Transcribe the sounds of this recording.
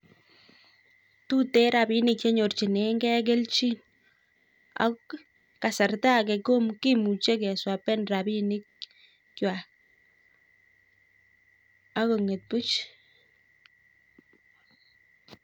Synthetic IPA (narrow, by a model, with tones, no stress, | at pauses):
t̪u˦t̪e˦ɾa˨bi˦nɪ˨k̚t͡ʃe˦ɲo˨rt͡ʃi˨ne˨˦ŋɡɛ˦k̬e˦lt͡ʃi˦n | a̰˦k | ka˨sa˨rt̪a˦ke˨ko˦mki˦mu˨t͡ʃe˦kɛ˨swa˨pɛ˦nra˨bi˦nɪ˦k̚ː | wa˨ | a˦ko˨ŋe˨t̪̚pu˦t͡ʃ